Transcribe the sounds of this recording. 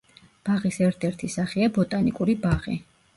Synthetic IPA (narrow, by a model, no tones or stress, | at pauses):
b̥aʁisɛɾt̪ʰɛɾt̪ʰisaχiabɔt̪ʼanikʼuɾibaʁḭ